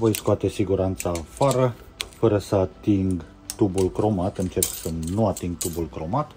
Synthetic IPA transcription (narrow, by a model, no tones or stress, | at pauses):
vo̞jskoat̪e̞siɡuɾant̪saːfaɾə | fəɾəsəat̪iŋɡ | t̪ubulkɾo̞mat̪ɨnt͡ʃe̞rksənuat̪iŋɡ̚t̪ubulkɾo̞mat̪